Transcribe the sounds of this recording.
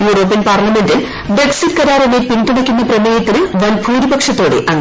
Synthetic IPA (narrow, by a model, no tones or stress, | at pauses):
juːɾoːpːinpaːrlɐme̞ndil | breksitkɐɾaːɾɐnepinduɽɐkʲːunːɐprɐmeːjɐt̪ːilʋɐnbʱuːɾibɐkʂɐt̪ːo̞ːɽḛʔɐŋː